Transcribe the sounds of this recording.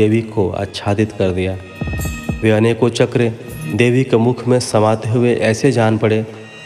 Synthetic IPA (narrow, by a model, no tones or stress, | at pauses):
eːʋikoa̰ːtːʃʰaːd̪ɪt̪kɐɾd̪ijaː | ʋeɐneːkot͡ʃɐkɾed̪eːʋikemʊkʰmẽsɐmaːt̪eɦʊeʔɛːsed͡ʒaːnpɐɽeː